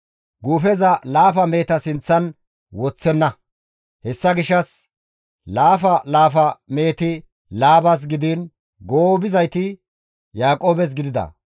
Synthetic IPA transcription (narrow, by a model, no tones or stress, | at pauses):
ɡuːfɛzɐlaːfɐme̞ːt̪ɐsɪnt͡sːɐn | wɔt͡sːɛnːɐ | hɛsːɐɡɪʃːɐs | laːfɐlaːfɐme̞ːt̪ɪ | laːbɐs̬ɡɪd̪iːn | ɡoːbɪzɐjt̪ɪ | jaːkʼoːbɛs̬ɡɪd̪ɪd̪ɐ̰